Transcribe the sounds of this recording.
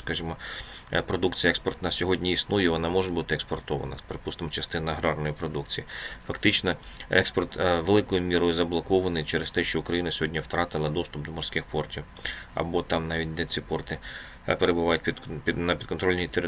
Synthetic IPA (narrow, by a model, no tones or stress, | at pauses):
skɐʒɪmɔpɾɔd̪ukt͡sʲijɐɛkspɔrt̪nɐsʲɔɦɔdʲnʲiisnujɛʋɔnɑmɔʒebut̪ɪekspɔrt̪ɔʋɐ̰nɐ̰speɾepust̪ɐmt͡ʃɐst̪ɪnɐɦɾɑrnɔjɪpɾɔd̪ukt͡sʲijifɐkt̪ɪt͡ʃnɔɛkspɔrt̪ʋelˠɪkɔjʊmʲiɾɔjʊzɐblˠɔkɔʋɐnɪjt͡ʃɛɾest̪ɛʃt͡ʃɔʊkɾɐjinɐsʲɔɦɔdʲnʲɐwt̪ɾɑt̪ɪlˠɐd̪ɔst̪ʊp̚d̪ɔmɔrsʲkɪxpɔrtʲiw | ɐ̰bɔt̪ɑmnɑʋʲit̚ʲd̪ɛt͡sʲipɔrt̪ɪ | peɾebʊʋɑjʊtʲpʲnɐpʲid̪̥kɔnt̪ɾɔlʲnʲiit̪eɾɪ